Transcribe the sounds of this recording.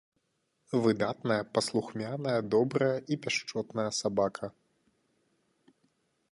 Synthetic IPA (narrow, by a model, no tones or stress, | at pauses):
vɨd̪at̪nɐjɐpɐslˠuxmʲanɐjɐd̪ɔbɾɐjɐʔipʲaʂt͡ʂɔt̪nɐjɐsabakʰɐ